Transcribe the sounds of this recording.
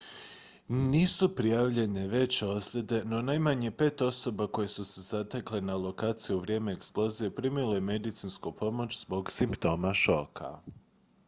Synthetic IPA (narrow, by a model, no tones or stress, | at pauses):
niːsupɾijaʋʎeɲeʋe̞t͡ɕo̞slʲed̪e̞no̞najmaɲe̞pe̞ːt̪o̞so̞bako̞je̞suse̞z̥at̪ekle̞nalˠo̞kaːt̪sijuuʋɾʲje̞ːme̞eksplˠo̞zijepɾiːmilˠo̞jeme̞d̪it̪sinskupo̞mo̞t͡ɕzbo̞ɡsimpt̪o̞ːmaʃo̞ːkʰa̰